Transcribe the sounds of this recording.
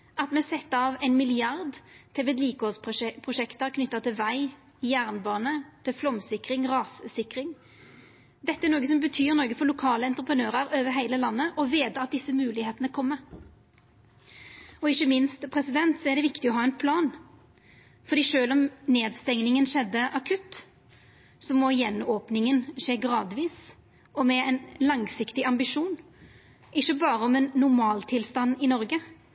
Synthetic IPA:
ʔɑt̪mɛsɛt̪ːɑʋɛɪnmɪlɪɑʁd̪t̪ʰɛʋɛd̪liːkəhɔːlspʰʁʊʃɛkt̪əkʰnʏt̪ːət̪ʰɪlʋæɪ | ɪjæːʁnbɑːnət̪ʰɪlflɔmsɪkɾɪŋʁɑːssɪkɾɪŋ | d̪ɛt̪ːəæɾnoːɡəsɔmbət̪ʰyːʁnɔːɡəfɔlʊkʰɑːləɛnt̪ɾəpʰənøːʁəɾøːʋəɦæɪləlɑnːəʔɔʋeːd̪əɑt̪̚d̪ɪsːəmʉːlɪheːt̪ənəkʰɔmːə | ɔɪçːəmɪnst̪pʰɾɛsɪd̪ɛnt̪sɔɛɾɖ̪ɛʋɪkt̪ɪɔɦɑːɛnpʰlɑːn | fɔɾd̪iːʂøːlɔmneːd̪st̪ɛŋnɪŋənʃɛd̪ːəʔɑkʰʉt̪ | sɔmɔjɛnːoːpnɪŋənʂeːɡɾɑːd̪ʋiːs | ɔmɛɛnlɑŋsɪkt̪ɪʔɑmbɪʂuːn | ʔɪçːəbɑːɾəɔmɛnːʊɾmɑːlt̪ʰɪlst̪ɑnːɪnɔɾɡə

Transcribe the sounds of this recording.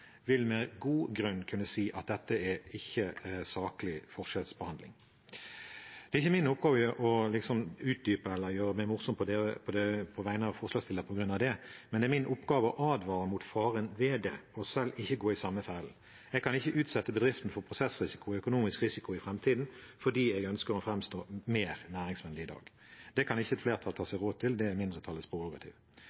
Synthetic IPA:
ʋɪlmɛɡuːɡɾʉnːkʰʉnːəsiːʔɑt̪̚d̪ɛt̪ːəɛɾɪçːəsɑːkəlɪfɔʁʂɛlsbəhɑnd̪lɪ̰ŋ | d̪̥ɛɪçːəmɪnʊp̚ɡɑːʋəʔɔlɪksɔmʉːt̪̚d̪yːpəɛlːəʁjøːɾəmɛɪmʊʁsɔmpʰɔd̪eːəpʰɔd̪ɛpʰɔʋæɪənəɑʋfɔʁʂlɑːɡst̪ɪləɾpʰɔɡɾʉnːɑʋd̪ɛmɛnd̪ɛɾmɪnʔɔpɡɑːʋəɔʔɑːd̪ʋɑːɾəmuːt̪fɑːʁənʋeːd̪ɛ̰ɔsɛlːɪçːəɡoːɪsɑmːəfæl̩ | ɛɡ̚kʰɑnɪçːəʔʉːt̪sɛt̪ːəbəd̪ʁɪft̪n̩fɔʁpʰʁʊsɛsɾɪsɪkʊœkʊnuːmɪskʁɪsɪkʊɪfɾɛmt̪ʰiːd̪nfɔd̪iːɛɡœnskəʁɔfɾɛmst̪oːmeːɾnæːɾɪŋsʋɛnd̪ɪɪd̪ɑ̰ːɡ | d̪̥ɛkʰɑnɪçːəɛt̪fleːʁt̪ʰɑlt̪ʰɑːsɛɡʁoːd̪̚t̪ʰɪld̪ɛæmɪnd̪ʁət̪ʰɑlːəspʰʁʊʋɔɡɑt̪ʰɪ̰ːʋ

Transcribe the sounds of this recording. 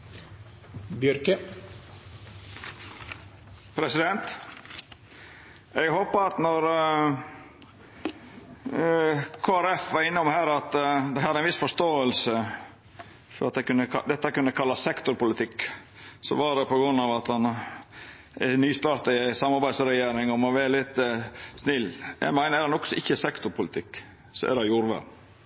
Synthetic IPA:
bjœɾkə | pʰɾɛsɪd̪ɛnt̪ | ɛɡhoːpəɑt̪nɔɾ | kʰoːæɾɛfʋɑɾɪnːəɔmhæːɾɑt̪d̪ɛhæɑd̪ɾɛɪnʋɪsfɔʂt̪oːəlsə | fɔɾɑt̪̚d̪ɛkʉnːəkɑd̪ɛt̪ːəkʉnːəkʰɑlːɑssɛkt̪ʊɾpʊlɪt̪ʰɪkːsɔʋɑɾɛpʰɔɡɾʉnːɑʋɑt̪hɑn | ɛnyːst̪ɑːɾt̪ɪsɑmɑɾbæɪd̪sɾɛjeːɾɪŋɔmɔʋæːɾəlɪt̪ːsnɪlːjæ̰ɡmæɪnəɾɛɾɑnɔksɔʔɪçːəsɛkt̪ʊɾpʰʊlɪt̪ʰɪkː | sɔɛ̰dɑjuːɾʋæ̰d̪n

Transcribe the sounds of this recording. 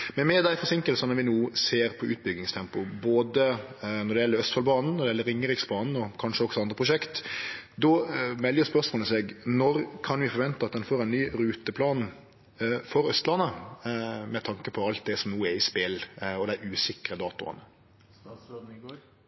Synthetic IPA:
mɛnmɛd̪æɪfɔsɪŋkəlsɑnəʋɪnuːseːɾpʰɔʔʉ̰ːt̪̚bʏɡnɪŋst̪ʰɛmpʊboːd̪ənɔɾd̪ɛjɛləɾœst̪fɑlbɑːnn̩nɔɾdɛjɛlːəɾɪŋːəɾɪksbɑːnn̩ɔkʰɑnʂəɔksɔɑnd̪ɾəpʰɾʊʃɛkt̪d̪ɔmɛljəspœʁsmoːnəsɛɡnɔɾkʰɑnʋɪfɔɾʋɛnt̪əɑt̪d̪ɛnfoːɾɛnːyːɾʉːt̪əpʰlɑːn | fɔɾœst̪lɑnːə | mɛt̪ʰɑŋkəpʰɔɑlt̪̚d̪ɛsɔmnuːɛɾɪspelɔd̪æɪʔʉːsɪkɾəd̪ɑːt̪ʊɑ̰nə

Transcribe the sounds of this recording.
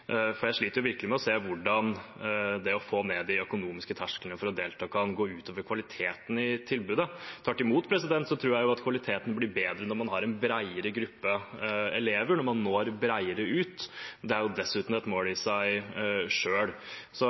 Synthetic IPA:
fɔɾjæɪʂɭiːt̪əɾjʊʋɪɾklɪmɛɔseːʋʊɖɑn | d̪ɛɔfoːnɛd̪ɪœkʊnuːmɪskət̪ʰæʂkələnəfɔɾɔd̪eːlt̪ʰɑːkʰɑnɡoːʉːt̪oːʋəɾkʰʋɑlɪt̪ʰeːt̪n̩ɪt̪ʰɪlbʉːd̪ət̪ʰɑːʈːɪmuːt̪pʰɾɛsɪd̪ɛnt̪sɔt̪ʰɾuːɾjæɪjʊɑt̪kʰʋɑlɪt̪ʰeːt̪nblɪɾbeːd̪ɾənɔɾmɑnɦɑɾɛnbɾæɪəɾəɡɾʉpːəɛleːʋəɾɳɔɾmɑnːoːɾbɾæɪəɾəʉːt̪d̪ɛæɾjʊd̪ɛsʉːt̪n̩ɛt̪moːlɪsæɪʂøːl | sɔ

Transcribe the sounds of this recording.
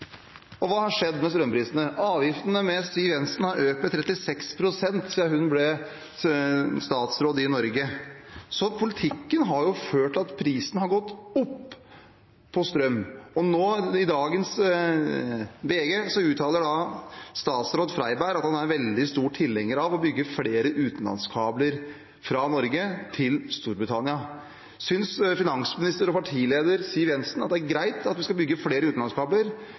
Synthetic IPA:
ɔʋɑːhɑʂɛd̪ːmɛst̪ɾœmpʰɾiːsənəʔɑːʋjɪft̪ənəmɛsyːʋɛnst̪n̩hɑɾøːpət̪ʰːɾɛt̪ːɪsɛkspʰɾʊsɛnt̪siːɑhʉnblɛ | st̪ɑːt̪sɾoːd̪ɪnɔɾɡəsɔpʰʊlɪt̪ʰɪkːənɦɑɾjʊføːʈɑt̪pʰɾiːsn̩hɑɾɡɔt̪ːʊpː | ɔst̪ɾœmːɔnoːɪd̪ɑːɡəns | ʋeːɡesɔʉːt̪ʰːɑːləɖɑst̪ɑːt̪sɾoːd̪fɾæɪbæɾɑt̪hɑnæɾʋɛld̪ɪst̪uːʈʈʰɪlːɛŋːəɾɑʋɔbʏɡːəfleːɾəʔʉːt̪n̩lɑ̰nskʰɑːbləɾ | fɾɑnɔɾɡət̪ʰɪlst̪uːɾbɾɪt̪ʰɑnɪɑ | sʏnsfɪnɑŋsmɪnɪst̪əɾɔpʰɑʈʰiːleːd̪əɾsiːəɾjɛnsnɑt̪̚d̪ɛæɾɡɾæɪt̪ʰɑt̪ʋɪskɑbʏɡːəfleːɾəʉːt̪nɑnskʰɑːbləɾ

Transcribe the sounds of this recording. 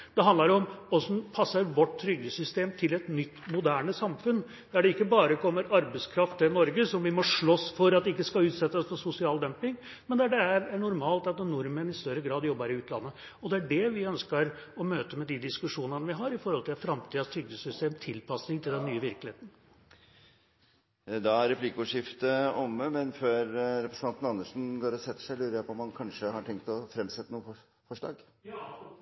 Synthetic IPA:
d̪̥ɛɦɑnd̪lɑɾɔmɔsɔpʰɑsːɑɾʋɔʈːt̪ʰːɾʏɡːəsʏst̪eːmt̪ʰɪlɛt̪nʏt̪ːmʊd̪æːɳəsɑmfʉn | d̪̥æɖɛɪkːəbɑːɾəkʰɔmːəɾɑɾbɛskʰɾɑft̪ənɔɾɡəsɔmʋɪmɔʂɭɔsfɔɾɑt̪d̪ɛɪkːəskɑlʉːt̪sɛt̪ːəɔsfɔsʊsɪɑːld̪œmpɪŋ | mɛnd̪ɛæɖɛæɾæɳʊɾmɑːlt̪ɑt̪nʊɾmənɪst̪œɾəɡɾɑːd̪jɔbːəɾɪʉːt̪lɑ̰nːə | ɔd̪ɛæɖɛʋɪœnskəɾɔmøːt̪əmɛd̪id̪ɪskʉʂuːnənəʋɪɦɑɾɪfɔɾhɔlt̪ʰɪlfɾɑmt̪ʰiːɑst̪ʰʏɡəsʏst̪eːmt̪ʰɪlpʰɑsnɪŋt̪ʰɪld̪ɛnːyːəʋɪɾkəlɪeːt̪n̩ | d̪ɑæɾɛpʰlɪkʊʂɪft̪əɔmːəmɛnføːɾɾɛpɾəsn̩ʰɑnt̪n̩ɑnːəʂn̩ɡoːɾɔsɛt̪ːə̥ʂæɪlʉːɾəɾjæɪpʰɔɔmːɑnkʰɑnʂəhɑʈʰɛŋk̚t̪ɔfɾɛmsɛt̪ːənuːə | fɔʂlɑ̰ːɡ

